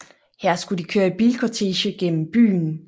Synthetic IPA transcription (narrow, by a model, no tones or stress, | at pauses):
hæɐ̰sɡ̥ud̥ikʰøːɐeb̥iːlkʰot͡sʰeɕəɡ̥en̰m̩b̥y̰ːn